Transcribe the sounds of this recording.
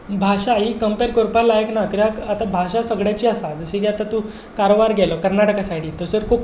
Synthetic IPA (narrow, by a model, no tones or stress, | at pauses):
bʱaɕaɦikəmpeɾkoɾpalajəknakɾjakat̪abʱaɕasəɡɽjat͡ɕiːasad͡zəɕiɡeat̪at̪u | kaɾobaɾɡʱjɛlokəɾnaʈəkasaʈʰit̪əsəɾkup